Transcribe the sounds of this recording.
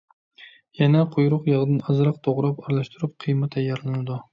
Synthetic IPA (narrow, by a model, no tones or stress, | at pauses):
jɛnɛqʰojɾʊqjɑʁd̪ɨnɑzɾɑq̚t̪ʰoʁɾɑpɑɾlˠæʃt̪uɾup̚qʰɨjmɛt̪ʰɛjːɑɾlˠɨnɨd̪u